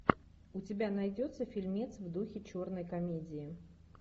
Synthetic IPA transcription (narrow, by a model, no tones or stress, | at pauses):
ʊtʲɪbʲanɐjdʲot̪sːəfʲɪlʲmʲet̪svd̪uxʲɪt͡ɕo̞rnəjkɐmʲedʲɪɪ